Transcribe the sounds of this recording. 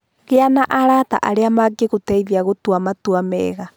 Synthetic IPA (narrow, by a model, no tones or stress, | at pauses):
ɣeanaʔaɾata̰ʔaɾeamaɡeɣotɛiðiaɣotwamatuamɛ̰ːɣa